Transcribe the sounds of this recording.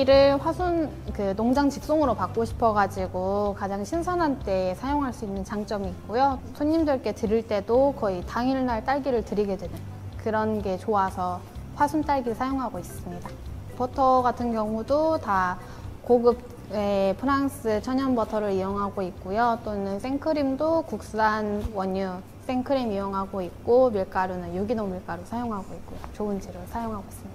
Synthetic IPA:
iɾɯɭɸwasʰun | kɯnoŋd͡ʑaŋt͡ɕik̚s͈oŋɯɾopak͈oɕʰi̥pʰʌɡad͡ʑiɡokad͡ʑaŋɕʰinsʰʌnɦant͈e̞sʰajoŋɦaɭs͈uinːɯnt͡ɕaŋt͡ɕ͈ʌmiːk̚k͈ojosʰoɲːimdɯɭk͈e̞tɯɾiɭt͈e̞dokʌitaŋiɭnaɭt͈aɭɡiɾɯɭtɯɾiɡe̞dwe̞nɯn | kɯɾʌnɡe̞t͡ɕoasʰʌ | ɸwasʰunt͈aɭɡisʰajoŋɦaɡois͈ɯmɲida | pʌtʰʌɡatʰɯnɡjʌŋudota | koɡɯp̚ | epʰɯɾaŋs͈ʰɯt͡ɕʰʌɲʌnbʌtʰʌɾɯɾioŋɦaɡoik̚k͈ujot͈onɯns͈ʰeŋkʰɯɾimdokuk̚s͈anwʌɲːu | s͈ʰe̞ŋkʰɯɾimijoŋɦaɡoik̚k͈omiɭk͈aɾonɯnjuɡinoŋmiɭk͈aɾosʰajoŋɦaɡoik͈ojot͡ɕoɯnd͡ʑiɾɯsʰajoŋɦaɡois͈ɯmɲid̥a

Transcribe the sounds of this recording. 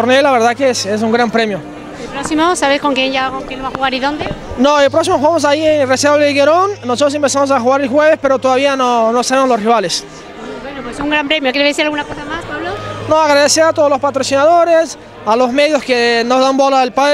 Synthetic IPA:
oɾnelaβeɾðakeeses̬uŋɡɾampɾemjo | epɾoksimosaβesko̞ŋkjeɲʝakoŋkjeloβaxuɣaɾiðo̞nd̪enoepɾoks̬imoxwɣamos̬aienreseβleɣeɾonːosot̪ɾos̬empesamos̬axuɣaɾelxweβespe̞ɾot̪oðaβ̞ianono̞saβe̞mozlo̞sriβ̞ales | bwenopwesuŋɡɾampɾemjokjeesiɾalɣunakosamaspaβlonoaɣɾaðeseat̪o̞ð̞olospat̪ɾosinaðo̞ɾes | alozmeðjoskeno̞zðambolaelpa

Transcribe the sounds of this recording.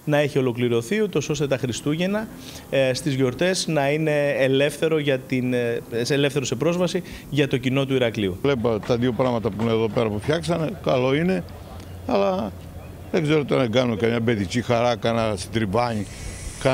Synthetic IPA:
nɐe̞çio̞lo̞kliɾo̞θiut̪o̞so̞st̪e̞t̪ɐxɾist̪uʝe̞nɐ | st̪izʝo̞ɾt̪e̞snɐine̞ːle̞fθe̞ɾo̞ʝɐt̪insele̞fθeɾo̞se̞pɾo̞zvɐsi | ʝɐt̪o̞cino̞t̪̬uiɾɐkliulepɐt̪ɐðio̞pɾɐmɐt̪ɐpuineðo̞pe̞ɾɐpufçɐksɐnekɐlo̞ine̞ | ɐlɐ | ðeɡze̞ɾot̪onɐeɡɐnunkɐmɲɐbe̞ðicixɐɾɐkɐnɐst̪id̪ɾibɐɲi | kɐ

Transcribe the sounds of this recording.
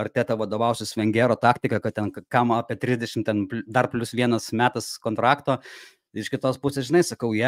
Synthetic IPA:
ɐɾt̪ʲeːt̪ɑʋɐd̪oːʋɐʊsʲɪsʋʲɛŋʲɡʲeːɾoːt̪ɑːkt̪ʲɪkɐkɐt̚tʲɛnkɑmɐɑːpʲiɛt̪ʲɾʲɪzʲd̪ʲɛʃʲɪmt̪ʲɛnplʲd̪ɐrpʲlʲʊsʋʲiɛnɐsmʲæːt̪ɐskoːnt̪ɾɑːkt̪oː | ɪʃkʲɪt̪oːspʊsʲesʒʲɪnɐɪsɐkɐʊjɛ

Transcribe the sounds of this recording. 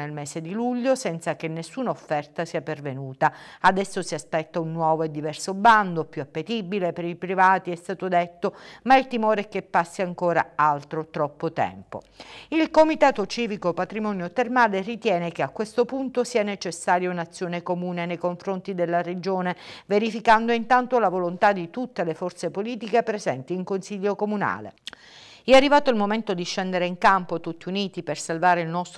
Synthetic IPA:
nelmeːsed̪iluʎːosɛnt̪sakenːesːuːnaofːɛrt̪asiːapervenuːt̪aad̪ɛsːosiaspɛt̪ːaunːwɔːvoed̪ːivɛrsoband̪opjuapːet̪ibilepeɾipɾivaːt̪iɛst̪aːt̪od̪ɛt̪ːomailt̪imoːɾeɛk̟ːepːasːiaŋkoːɾaalt̪ɾot̪ɾɔpːot̪ɛ̰mpo̰ | ilkomit̪aːt̪ot͡ʃiːvikopat̪ɾimɔnjot̪ermaːlerit̪jɛːnekeakːwest̪opunt̪osiːanet͡ʃesːaːɾjaunat̪sːjoːnekomuːnenejkoɱfɾont̪id̪elːared͡ʒoːneveɾifikand̪oint̪ant̪olavolont̪ad̪it̪ut̪ːelefɔrt̪sepoliːt̪ikepɾezɛnt̪iːŋkonsiʎːokomuna̰ːlḛ | ɛarːivaːt̪oilmoment̪od̪iʃːɛnd̪eɾeiŋkampot̪ut̪ːiuniːt̪ipersalvaːɾeilnɔst̪

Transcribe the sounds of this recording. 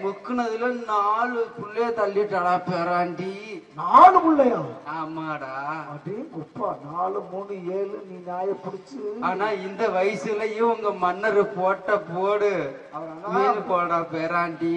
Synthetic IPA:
mʊkːɯɳɐðɪlɐnaːɭɯpʊɭːɐjɐt̪ɐlːiʈ̪ːɐɭaːpeːɾaːɳɖinaːlɯpʊɭːɐjãːaːmːaːɽaːɐbɽimʊpːaːnaːlɯmuːnɯeːlɯniːnjaːjɐpʊɽɪt͡ʃːɯaːnaːɪnd̪ɐʋɐjsɪlɐjʊ̃ʋɐŋɡɐmɐnːɐɾɯpoːʈːɐpoːɽɯ | ʊɪnɯpoːɽaːpeːɾaːɳɖi

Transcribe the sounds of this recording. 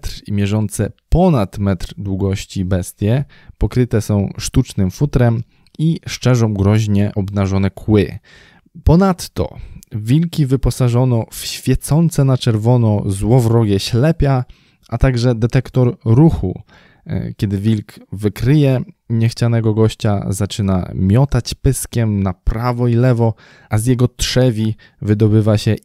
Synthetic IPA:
t̪ɾimʲjɛʐɔnt̪sɛpɔnat̪mɛt̪ɾd̪wuɡɔɕt͡ɕibɛst̪ʲjɛ | pɔkɾɘt̪ɛsɔ̃w̃ʂt̪ut͡ʂnɘmfut̪ɾɛm | iʂt͡ʂɛʐɔ̃w̃ɡɾɔʑɲɛʔɔbnaʐɔnɛkʰwɘ̰ | pɔnat̪ːɔ̰vʲilkʲivɘpɔsaʐɔnɔfɕfʲjɛt̪sɔnt̪sɛnat͡ʂɛɾvɔnɔzwɔvɾɔɡʲjɛɕlɛpʲja | ʔat̪aɡʐɛd̪ɛt̪ɛkt̪ɔɾɾuxṵ | kʲjɛd̪ɘvʲilkvɘkɾɘjɛɲɛxt͡ɕanɛɡɔɡɔɕt͡ɕa̰zat͡ʂɘna̰mʲjɔt̪at͡ɕpɘskʲɛmnapɾavɔilɛvɔ | ʔazʲjɛɡɔt̪ʂɛvʲi | vɘd̪ɔbɘvaɕɛ

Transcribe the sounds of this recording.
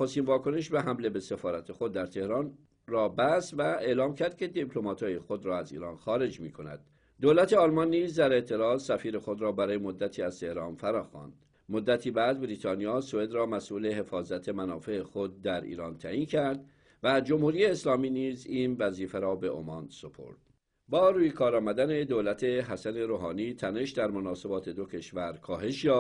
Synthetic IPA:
ost̪iːnvɒːkʰo̞ne̞ʃbeɦæmle̞be̞se̞fɒːɾæt̪ʰe̞xo̞d̪ːæɾt̪ʰe̞hɾɒːn | rɒːbæsvæe̞ʔlɒːmcʰæɾd̪̚cʰe̞d̪ipʰlo̞mɒːt̪ʰɒːjexo̞d̪ɾɒːæzḭːɾɒːnxɒːɾe̞d͡ʒmiːkʰo̞næ̰d̪̥̚ː | oːlæt̪ʰe̞ɒlmɒnːiːzd̪æɾe̞ʔt̪ʰe̞ɾɒːzsæfiːɾe̞xo̞d̪ɾɒːbæɾɒːjemo̞d̪ːæt̪ʰiːæz̥t̪ʰe̞hɾɒːnfæɾɒːxɒ̰ːnd̪̥ | mod̪ːæt̪ʰiːbæd̪̚bɾiːt̪ʰɒːnijɒːsoe̞d̪ɾɒːmæsʔuːle̞ɦe̞fɒːzæt̪ʰe̞mænɒːfe̞exo̞d̪̚ːæɾḭːɾɒːnt̪ʰæʔiːncʰæɾd̪ | væd͡ʒo̞mhuːɾiːeːslɒːmiːniːzinvæziːfeɾɒːbe̞ʔo̰mɒnso̞pʰo̞̰ɾd̪̥ | bɒːɾuːjekʰɒːɾɒːmæd̪æne̞d̪olæt̪ʰe̞ɦæsæne̞ɾoːɦɒːniːt̪ʰæne̞ʃd̪æɾmonɒːse̞bɒːt̪ʰe̞d̪o̞cʰe̞ʃvæɾkʰɒːɦe̞ʃjɒː

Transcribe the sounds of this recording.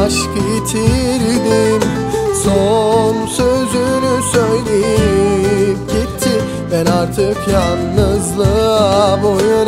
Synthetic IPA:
ʃkɯt̪ʰiɾd̪im | sonsøzynysøjlʲejijip̚ɟit̪ʰːi | vɛnaɾt̪ʰɯkjanːɯzlˠɯbojun

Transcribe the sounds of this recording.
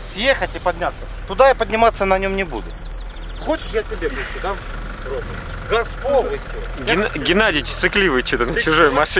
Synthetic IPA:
sʲjexətʲɪpɐdʲnʲat̪sːət̪ʊd̪ajapədʲnʲɪmat̪sːənɐnʲo̞mnʲɪbṵd̪ʊ | xot͡ɕɪ̥ʂjatʲɪbʲebusɪd̪am | ɾob̪ɨ | ɡɐspovɨsʲo | ɡʲɪɡʲɪnadʲɪt͡ɕt̪sɨklʲivɨjt͡ɕot̪ənət͡ɕʊʐojmɐʂɨ

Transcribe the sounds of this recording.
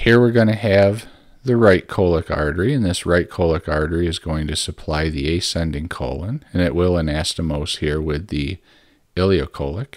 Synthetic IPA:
hiɹwɪɹɡʌñɨɨv | ðɨɹaɪt̚kʰoʊlˠəkɑ̰ɹdə˞iɨ̃nðɪsɹaɪt̚kʰoʊlˠəkɑɹdə˞iɨzɡoʊɪ̃ŋtʰɨsɨpʰl̥aɪðieɪsɛ̃ndɪ̃ŋkʰo̰ʊlˠə̃nɨ̃nɨʔwɪlˠə̃næstɨmoʊshiɹwɪði | ɪlˠioʊkʰoʊlˠək

